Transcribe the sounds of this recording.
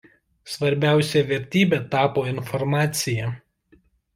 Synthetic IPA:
sʋɐɾʲbʲæˑʊsʲɛʋʲɛɾʲt̪ʲiːbʲeːt̪ɑːpoːɪnfɔɾmɑːt̪sʲɪjɛ

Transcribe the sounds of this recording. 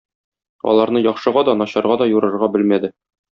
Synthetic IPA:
ɒ̰lˠɑɾnɤjɒχʃɤ̆ʁɑd̪ɒnɒɕɑɾʁɑd̪ɒjuɾɤ̆ɾʁɑbɘlmæd̪ɘ

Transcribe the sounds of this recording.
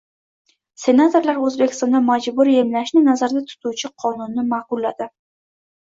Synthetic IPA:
se̞nat̪ʰoɾlaɾɵzbekʲɪ̥st̪ɒnd̪amad͡ʒbʊɾje̞mlaʃnɪnazaɾd̪at̪ʰʊ̥t̪ʰuwt͡ʃʰɪqʰɒnʊnːɪmaqʊlːad̪ɪ

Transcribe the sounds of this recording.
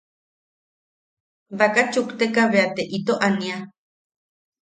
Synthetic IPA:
βakat͡ʃukt̪ekaβeat̪eʔit̪oʔania

